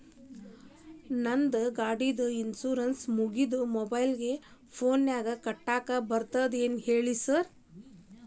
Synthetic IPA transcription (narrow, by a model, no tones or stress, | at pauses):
nɐnd̪ɡaːɖid̪ɐinsuːɾɐnsmuɡid̪umobɐjlɡe̞ | pʰoːnjaːɡɐkɐʈːaːkɐbɐɾt̪ɐd̪eːnheːɭisɐɾ